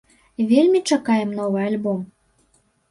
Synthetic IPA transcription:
vʲelʲmʲit͡ʃɑkɑjə̆mnovɤ̆ɑlʲbom

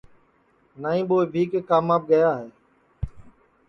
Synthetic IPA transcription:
naːĩːɓoːbʱiːkeːkaːmaːp̚ɡəjaːɦeː

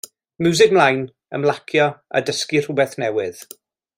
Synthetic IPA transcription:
mjuzɪkmlˠajn | ə̰mlˠakʰjɔa̰dəskir̥ʊbɛθnɛwɪð̥

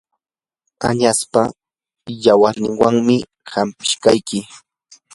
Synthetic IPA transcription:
a̰ɲaspa | jawaɾnɪŋwaŋmɪ | hampɪ̥ʃkajkɪ

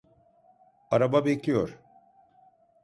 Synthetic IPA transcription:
aɾababeclʲijoɾ̥

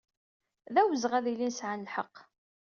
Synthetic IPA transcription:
ðæwəzʁæðilinsʕanəlħə̰qː

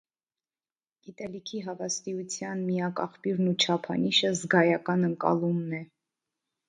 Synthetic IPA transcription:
ɡ̥it̪ɛlikʰiɦɑvɑst̪iut͡sʰjɑnmijɑkɑ̰χpjuɾnut͡ʃʰɑpʰɑ̰niʃəzɡɑjɑkɑnəŋkɑ̰lumnɛ

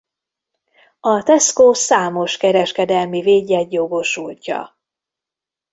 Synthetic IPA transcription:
ɒt̪ɛskoːsaːmo̞ʃkɛɾɛʃkɛd̪ɛlmiveːɟːɛt̪jo̞ɡo̞ʃulcɒ̰

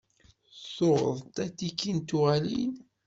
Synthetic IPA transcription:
soɾ̰ðˤt̪æθikːint̪uʁælḭn

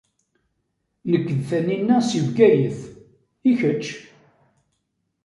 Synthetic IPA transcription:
nəkːəðθæninːæsivɡæjəθ | içət͡ʃː

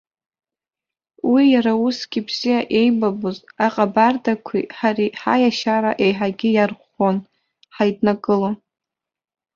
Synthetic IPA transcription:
wijaɾausɡ̥ʲibz̥ijaʔe̞jbabozaqʼabardakʷʰḭħariħa̰jaʃaɾaʔe̞jħaɡʲɪjarχʷon | ħajdnakʼɨlo

